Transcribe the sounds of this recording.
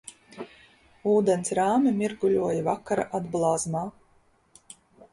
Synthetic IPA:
uːd̪ɛnsɾaːmʲimʲiɾɡulʲuɔjavakaɾa̰ʔad̪blˠaːzmaː

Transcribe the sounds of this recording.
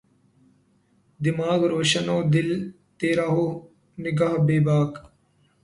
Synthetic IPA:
d̪ɪmaːɡɾoːʃɐnoːd̪ɪl | t̪eːɾaːɦoː | nɪɡaːɦbeːbaːk

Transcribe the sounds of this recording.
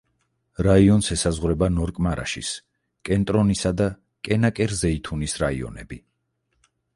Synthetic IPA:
ɾaiɔnsɛsazʁwɾɛbanɔɾkʼmaɾa̰ʃḭs | kʼɛnt̪ʼɾɔnisad̪a | kʼɛnakʼɛɾzɛit̪ʰunisɾaḭɔ̰nɛbi

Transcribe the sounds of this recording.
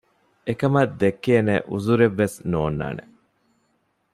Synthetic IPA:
ekɐmɐd̪ːekːeːneʔṵzuɾeʋːesnoːnːa̰ːnḛ

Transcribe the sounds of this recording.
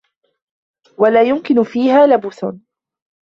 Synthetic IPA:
walaːjʊmkɪnʊfiːhaːlabuːθ

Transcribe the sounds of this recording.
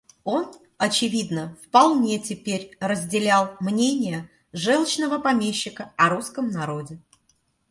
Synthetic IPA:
o̞n | ɐt͡ɕɪvʲid̪nəfpɐlˠnʲetʲɪpʲeɾʲrəzʲdʲɪlʲalˠmnʲenʲɪjə | ʐɛlˠt͡ɕnəvəpɐmʲeɕːɪkəɐɾuskəmnɐɾo̞dʲɪ

